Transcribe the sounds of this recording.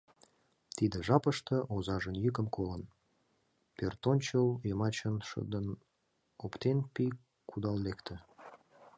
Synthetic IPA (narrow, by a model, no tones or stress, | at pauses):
t̪id̪əʒɑpəʃt̪ə̆ʔozɑʒənjykəmkolən | pørt̪onʲt͡ɕəljəmɑt͡ɕənʃə̰d̪ən | opt̪enpi | kʰud̪ɑllekt̪ʰə̆